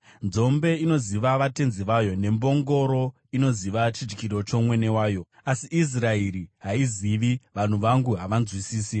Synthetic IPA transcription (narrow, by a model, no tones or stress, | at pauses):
nd͡zo̞mbe̞ino̞ziʋaʋate̞nziʋajo̞ne̞mbo̞ŋɡo̞ɾo̞ | ino̞ziʋat͡ʃid͡ʒi̥kiɾo̞t͡ʃo̞mwe̞ne̞waːjo̞ | asiːs̬raeɾiɦaiziʋiʋan̤uʋaŋɡuɦaʋanzwisiːsi